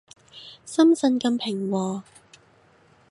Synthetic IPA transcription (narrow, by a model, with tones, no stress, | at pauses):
sɐ˥msɐ˧nkɐ˧mpʰɪ˨˩ŋwɔː˧